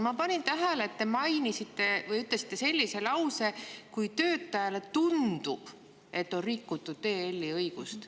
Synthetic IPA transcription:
mɑpɑnʲint̪æɦæleːt̪ːe̞mɑjnisit̪ːe̞vɤjyt̪ˑlesi̥t̪ːˑe̞se̞lʲːise̞lɑwse̞kujt̪ø̞ːt̪ːɑjɑle̞t̪und̪ub̥ | e̞t̪ːo̞nrikːut̪ˑːud̪̥̚t̪ːe̞ːelʲːiɤjɡ̥ust̪

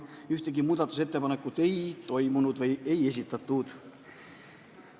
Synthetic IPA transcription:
yht̪e̞ɡimuːd̪̥ɑt̪ːˑus̬e̞t̪ːe̞pɑne̞kːˑud̪̥e̞jt̪o̞jmunud̪vɤje̞je̞s̬ʲit̪ːˑɑt̪ːˑud̪̥

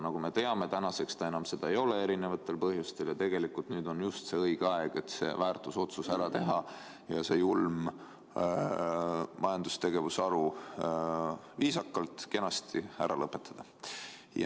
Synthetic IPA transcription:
nɑɡ̥ume̞t̪e̞ɑme̞t̪ænɑse̞kst̪ɑe̞nɑmse̞d̪̥ɑejo̞le̞e̞ɾine̞vɑt̪ːˑe̞lpɤɦjust̪e̞ljɑt̪e̞ɡ̥e̞likˑult̪nyːd̪̥o̞njust̪se̞ɤiɡ̥eɑe̞ɡ̥et̪se̞̰væːrt̪ˑuso̞t̪susæɾɑt̪e̞ɦɑ | jɑse̞julm | mɑjɑnd̪̥ust̪e̞ɡe̞vusɑɾu | viːsɑkːɑlt̪ke̞nɑst̪iæɾɑlɤpːˑe̞t̪ːˑɑd̪̥ɑ | jɑ̰

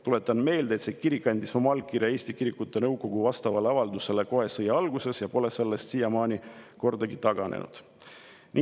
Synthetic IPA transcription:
t̪ulet̪ːˑɑnme̞ːld̪et̪seːkiɾikːˑɑnʲd̪̥iso̞mɑlkːirjɑe̞ːsʲt̪ikiɾikːˑut̪ːˑenɤwɡo̞ɡ̥uvɑst̪ɑvɑleɑvɑld̪use̞le̞ko̞ɦe̞sɤjɑɑlɡ̥use̞sjɑpo̞le̞se̞lːe̞st̪sijɑmɑːnʲiko̞rd̪̥ɑɡit̪ɑɡ̥ɑnḛnʔṵd̪̥ | nʔi

